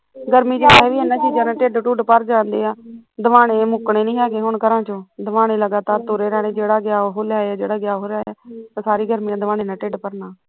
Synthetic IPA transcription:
ɡəɾmĩːd͡ʒeːaɦɛːʋiːenãːt͡ʃiːd͡ʒanãːʈeɖʈuːɖpəɾd͡ʒãːnd̪eːaːd̪əʋaːneːmʊkɳeːnĩːɦɛːkeɦʊɳkəɾãːt͡ʃõːd̪əʋaːɽeːləɡaːt̪aːɾt̪oɾeːɾaːɽeːd͡ʒeːɽaːɡɪjaːɦoːlɪjaːaːd͡ʒeːɽaːɡjaːɦoːljaːaːt̪aːsaːɾiːɡəɾmiːãːd̪ʋaːnẽːnãːʈeɖpəɾnaː

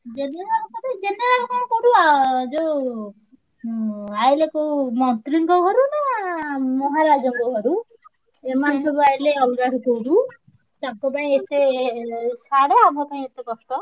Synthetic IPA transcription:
d͡ʒeneɾalkɔʈed͡ʒeneɾalkɔkɔɽud͡ʒo | ajlekomɔnt̪ɾiŋkɔɦɔɾuna | mɔɦaɾad͡ʒɔŋkɔɦɔɾu | emant̪ʰɔbuajleɔbdaɽɔkowɽu | t̪aŋkɔpaĩet̪e | saɽɔabɔpaĩet̪ekɔsʈɔ

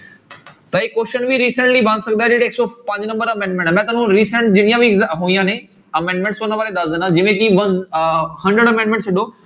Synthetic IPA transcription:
t̪ɐɦiːkoːʃənʋĩɾiːsə̃ɳʈlibʱãːnsɐɡnd̪aːd͡ʑeːʈeːksɔpɐ̃ːɲd͡ʑnɐ̃mbəɾɐmẽːɳɖmẽɳʈmɛ̃t̪ɐnũɾiːsə̃ɳʈ̚d͡ʑɪnijãbiɡɦũːĩjãːnẽ | ɐmẽːɳɖmẽɳʈsoːnɐ̃ʋaːɾed̪aːzənad͡ʑɐ̃mẽkiʋɐ̃nhɐ̃nɖɾəɽɐmẽːɳɖmẽːɳʈsɪɗo

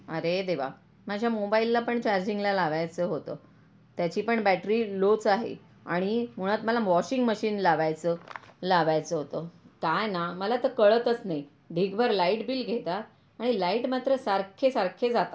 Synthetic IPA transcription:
əɾed̪eʋ̤a̰ | mad͡ʑʱjamobailːapəɳt͡ɕaɾd͡ʑiŋɡlalaʋajt͡səɦot̪ə̰ | t̪jat͡ɕiːpəɳbæʈɾiːlot͡saɦḛ | a̰ɽ̃im̤uɽ̃ət̪məlaʋɔɕiŋɡməɕiːnlaʋajt͡səlaʋajt͡səɦot̪əkajnaməlat̪əkəɭət̪ət͡snai | ɖʱikbʱəɾlaiʈbiːlɡʱet̪at̪ | aɽ̃ilaiʈmat̪ɾəsaɾkʰesaɾkʰed͡zat̪a

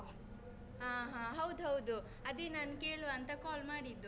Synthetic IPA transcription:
ãːɦãːɦɐwd̪ɦɐwd̪u | ɐd̪eːnaːnke̞ːɭoɐnt̪ɐkaːlmaːɽid̪ːu

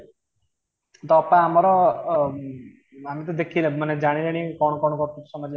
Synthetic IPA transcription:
t̪ɔpaːmɔɾɔ | amit̪̬ɔd̪ekʰilemaned͡ʒaɽ̃ileɽ̃ikɔɽ̃ɔkɔɽɔkɔk̪ʰusɔmad͡ʒ

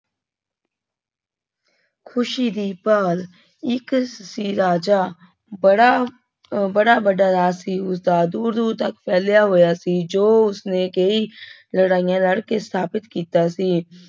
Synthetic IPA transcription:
kʰʊʃiːd̪iːpəːl | ɪksiːɾaːd͡ʒaː | ɽa | bəɽaːbəɖaːɾaːsiːʊsd̪aːd̪uːɾd̪uːɾt̪əkpʰɛːljaːɦoːjaːsiːd͡ʒoːʊsneːkeiː | ləɽaːijãːləɽkesʰaːbɪt̪kiːt̪aːsiː

